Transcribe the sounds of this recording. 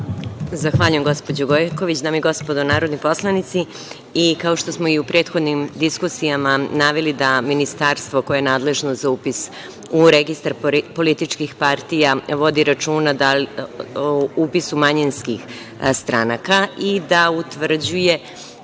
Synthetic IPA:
zaxʋaːʎujemɡo̞spo̞d͡ʑoɡojko̞ʋit͡ɕd̪aːmiɡo̞spo̞d̪onaːɾod̪nipo̞slˠanit̪si | ikao̞ʃt̪o̞smo̞iupɾe̞ːt̪xod̪nimd̪iskusijamanaːʋelid̪aminist̪aːɾst̪ʋo̞ko̞jeːnaːd̪le̞ʒnozaupis | uɾeɡist̪aɾpo̞lit̪it͡ʃkixpaɾt̪ijaʋo̞d̪iɾat͡ʃuːnad̪al | upisumaɲinskix | st̪ɾanakaid̪aut̪ʋr̩d͡ʑuje̞

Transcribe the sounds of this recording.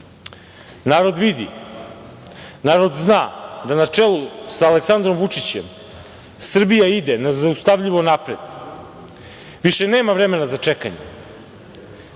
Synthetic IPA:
naːɾo̞d̪ʋid̪ḭ | naːɾod̪znaːd̪anat͡ʂelˠusaːleksand̪ɾomʋut͡ʂit͡ɕe̞̰m | sr̩bijaid̪e̞nazaust̪aʋʎiʋo̞napɾed̪̥ | ʋiʃe̞neːmavɾe̞me̞nazat͡ʂe̞ka̰ɲḛ

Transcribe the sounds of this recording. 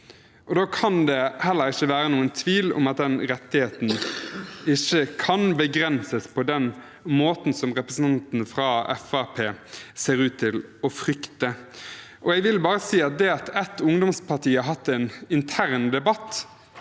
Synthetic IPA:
ʔɔd̪oːkʰɑnd̪ɛhɛlːəɾɪçːəʋæːɾənuːənt̪ʰʋiːlɔ̰mɑt̪̚d̪ɛnɾɛt̪ːɪheːt̪n̩ | ɪçːəkʰɑnbəɡɾɛnsəspʰɔd̪ɛn | moːt̪n̩sɔmʁɛpɾəsn̩ʰɑnt̪n̩əfɾɑɛ̰fæpʰeːseːɾʉːt̪ʰːɪlɔfɾʏkt̪ə | ʔɔɛɡʋɪlbɑːɾəsiːɑt̪̚d̪ɛɑt̪ɛt̪ːʊŋd̪ɔmspʰɑʁʈiːɑɾɦɑt̪ːɛnɪnt̪ʰæʁnd̪ɛbɑt̪ː

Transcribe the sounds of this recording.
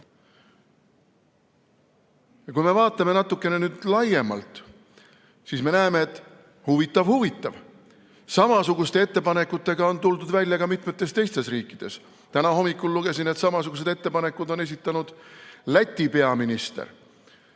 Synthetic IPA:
jɑkujme̞vɑːt̪ˑːɑme̞nɑt̪ːˑukːˑe̞ne̞nyːd̪̥lɑje̞mɑ̰lt̪ˑ | sisme̞næemeet̪ːˑ | huvit̪ːˑɑvhuvit̪ːˑɑv | sɑmɑsuɡust̪e̞e̞t̪ːe̞pɑne̞kːˑut̪ːe̞ɡ̥ɑo̞nt̪uld̪ud̪vælʲjɑɡɑmit̪ˑmet̪ːˑe̞st̪e̞jst̪e̞sriːkːˑid̪̥e̞s | t̪ænɑho̞mːikːˑulːuɡ̥e̞sinet̪sɑmɑsuɡ̥use̞d̪e̞t̪ːe̞pɑne̞kːˑud̪o̞ne̞sit̪ːˑɑnud̪̥læt̪ʲːˑipe̞ɑminist̪ḛr

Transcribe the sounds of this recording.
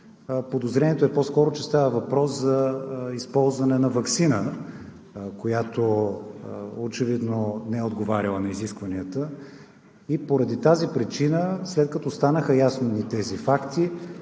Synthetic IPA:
pod̪ozɾɛniɛt̪oɛpɔskɔɾot͡ʃɛst̪avəvɐpɾɔszɐispɔlˠzvɐnɛnɐvɐksinə | kojat̪o | ot͡ʃɛvid̪nonɛɛod̪ɡovaɾʲɐlˠənɐiziskvɐniət̪ə | ipoɾɐd̪it̪azipɾit͡ʃinəslɛt̪̚kɐt̪ɔst̪anəxəjasnonit̪ɛzifakt̪i

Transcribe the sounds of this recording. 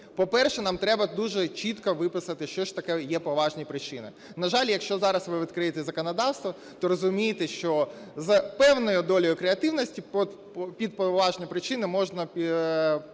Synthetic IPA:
pɔpɛrʃɛnɑmt̪ɾɛbɐd̪uʒɛt͡ʃit̪kɐʋɪpɪsɐt̪ɪʃt͡ʃɔʃt̪ɐkɛjɛpɔʋɑʒnʲipɾɪt͡ʃɪnɪ̰ | nɐʒɑlʲjɐkʃt͡ʃɔzɑɾɐsʋɪʋʲid̪kɾɪjet̪ɛzɐkɔnɐd̪ɑwst̪ʋɐ | t̪ɔɾɔzʊmʲijet̪ɛʃt͡ʃɔ | zɐpɛwnɔjʊd̪ɔlʲɔjʊkɾeɐt̪ɪwnɔsʲtʲiɔ | pʲid̪̚pɔʋɑʒnʲijpɾɪt͡ʃɪnɪmɔʒnɐpʲ

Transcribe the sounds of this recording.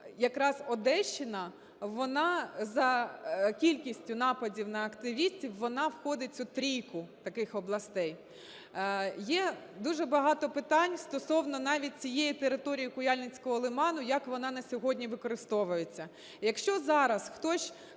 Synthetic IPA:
jɐkɾɑzɔd̪ɛʃt͡ʃːɪnɐ | ʋɔnɑzɐkʲilʲkʲisʲtʲʊnɑpɐdʲiwnɐɐkt̪ɪʋʲisʲtʲiwʋɔnɑwxɔd̪ɪt͡sʲʊt̪ɾʲijkʊt̪ɐkɪxɔblˠɐst̪ɛj | jɛd̪uʒɛbɐɦɑt̪ɔpɪt̪ɑnʲst̪ɔsɔwnɔnɑʋʲit̚ʲt͡sʲijɛjit̪eɾɪt̪ɔɾʲijikʊjɑlʲnʲɪt͡sʲkɔɦɔlˠɪmɑnʊjɐkʋɔnɑnɐsʲɔɦɔdʲnʲiʋɪkɔɾɪst̪ɔʋʊjet͡sʲːɐ | jɐkʃt͡ʃɔzɑɾɐsxt̪ɔsʲ

